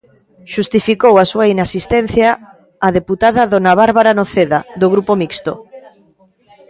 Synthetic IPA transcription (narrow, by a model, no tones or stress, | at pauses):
ʃust̪ifikowasuainasist̪ɛn̟θjaː | ðeput̪aðɐðonaβaɾβaɾanoθeðaðoɣɾupomikst̪o̰